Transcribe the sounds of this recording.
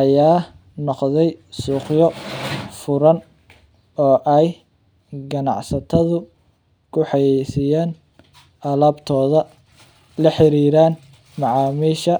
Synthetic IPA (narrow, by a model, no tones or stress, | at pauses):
ʔɐjaː | nɔqðɛjsuːqjɔfʊɾɐn | ɔːʔɛj | ɡɐnɑ̰ʕsɐt̪ʰɐðʊ | kʰʊħɑjɛjsɪjaːn | ʔɐlaːbt̪ʰɔːðɐ | lɐħɪɾiːɾaːn | mɑʕɑːmiːʃɐ